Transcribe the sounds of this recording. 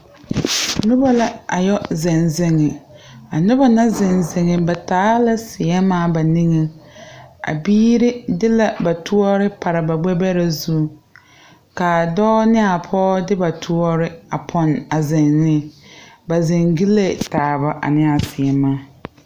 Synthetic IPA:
nʊ˦ba˦la˦a˨jɔ˦zɛ˨nzɪ˨ŋɪ˨ | a˨nʊ˦ba˦na˦zɛ˨nzɪ˨ŋɪ˨ba˨taː˨˦la˦sɪ˨ɛ˦maː˦˨ba˨ni˦ŋɪ˦ | a̰˨biː˦ɾɪ˦dɪ˦la˨ba˨tʰu˦ɔ˦ɾɪ˦pʰa˨ɾa˨ba˨ɡ͡bɛ˦bɛ˦ɾa˨zu˦˨ | ka˨dɔː˦nɪ˦a˨pʰɔː˦dɪ˦ba˨tʰʊ˦ɔ˦ɾɪ˦a˨pʰɔ˨na˨zɛ˨nːɪ˦˨ba˨zɪ˨ŋɡi˦le˦˨taː˨ba˨ʔa̰˨nɪ˦a˨sɪ˨ɛ˨maː˦

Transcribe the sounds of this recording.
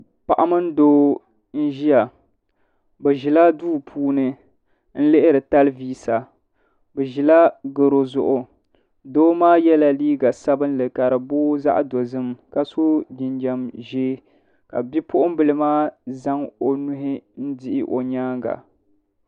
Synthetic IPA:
pa˨ʔa˦mɨ˦n̩˦doː˦ | n̩˦ʒi˦ja˨ | bɨ˨ʒi˨la˦duː˦pʰuː˦nɨ˦ | n̩˦lɨ˦ʔɪ˦ɾɨ˨ta˦lɨ˦viː˦sa˨ | bɨ˨ʒi˨la˦ɡɨ˨ɾo˨zʊ̰˨ʔʊ˨ | doː˦maː˦jɛ˦la˨liː˦ɡa˨sa˦bɨ˦nlɨ˨ka˨ɾɨ˨boː˦za̰˦ʔdo˨zɨ˦mka˦so˦dɪ˨nd͡ʒa˨mʒeː˦ | ka̰˨bi˦pʊ˦ʔʊ˦m˦bɨ˨lɨ˦maː˦za˦ŋo˨nʊ˦ɦɪ˦n̩˦dɪ˨ʔɪ̰˨ʔo̰˨ɲaː˦ɡa̰˨

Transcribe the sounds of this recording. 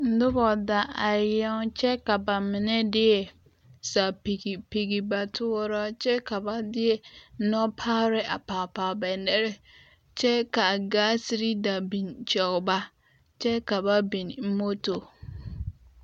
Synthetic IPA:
n̩˦dʊ˦bɔ˨da˨a˨jɛ˦n˦t͡ʃʰɛ˦ka˨ba˨mɪ̃˨nɛ̃˦dɪ˦ɛ˨ | sa˨pi˨ɡi˨pe˨ɡi˨ba˨tʰʊ˦ɔ˦ɾɔ˦t͡ʃʰɛ˦kʰa˨ba˦dɪ˦ɛ˨˦nɔ̃˦pʰaː˦ɾɪ˦ʔa˨pʰaː˨pa˨bɛ˨ndɛ˦ɾɪ˦ | t͡ʃʰɛ˦ka˨ɡa˦si˨ɾi˦da˨bĩ˨nt͡ʃɔ˨kba˦ | t͡ʃɛ˦ka˨ba˦bĩ˨nm̩˦mo˦to˨

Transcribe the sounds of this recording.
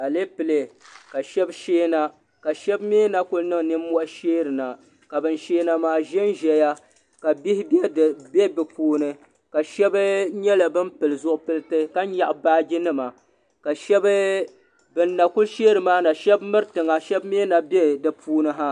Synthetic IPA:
a˨le˦pɨ˨le˨ka˨ʃɛ˦bʃeː˦na˦ | ka˨ʃɛ˦bmeː˦na˦kʊ˦lnɨ˦ŋ˨nɨ˦mː˦ɔ˦ʔʃeː˦ɾɨ˨na˨ | ka˨bɨ˦nʃeː˦na˨maː˦ʒɛ˦n˦ʒɛ˦ja˦ | ka˨bi˦hɪ˦bjɛ˦dbɛ˦bɨ˨puː˦nɨ˨ | ka˨ʃɛ˦bɲɛ˦la˨bɨ˦mpɨ˨lɨ˨zʊ˦ʔʊ˦pɨ˦lɨ˦tɨ˦ka˦ɲ˦ɲa˨ʔbaː˦d͡ʒi˦nɨ˦ma˨ | ka˨ʃɛ˦b | bɨ˦nːa˨kʊ˦lʃeː˦ɾɨ˨maː˦na˨ʃɛ˦bmɨ˦ɾɨ˦tɨ˨ŋa˨ʃɛ˦bmeː˦na˨bɛ˦dɨ˨pʰuː˦nɨ˦ɦa˦

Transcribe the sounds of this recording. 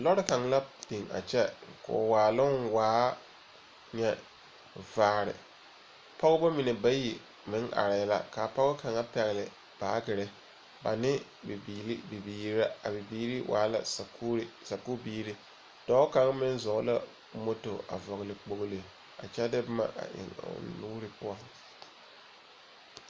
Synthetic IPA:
lɔ˦ɾɪ˦ka˨ŋ˦la˦pi˨ŋa̰˨t͡ʃɛ˦kɔ̰˨waː˨lʊ˦nwaː˨˦ | ɲɛ˦ | vaː˨˦˨ɾɪ̰˨ | pɔ˦ɣʊ˦bɔ˦mɪ˨ne˨ba˦ji˨ | mɪ˨˦ŋʔa̰˨ɾɪ˨la̰˦ka˨pɔ˦ɣʊ˦ka˨ŋa˦pɛ˨ɣɪ˨lɪ˨ | b̥aː˨˦ɡɪ˨ɾɪ˦ | ba̰˨nɪ˦ | bbi˨li˦bi˨biː˦a˦a˨bɪ˨biː˦ɾi˦wʔa̰ː˨˦la̰˨skːsa˨ku˦biː˦ɾɪ˦ | d̥ɔ˦ka˨ŋ˦mɪ˦n˦zɔ˨ɣla˦ | mo˦to˨ʔa̰˨vɔ˨ɣlɪ˨k͡po˨ɣle˨ | a̰˨t͡ʃɛ˦dɪ˦bma̰˦ʔa̰˨ʔɪ̰˨ŋ̰˨nuː˦ɾɪ˦pʊ˦a˨

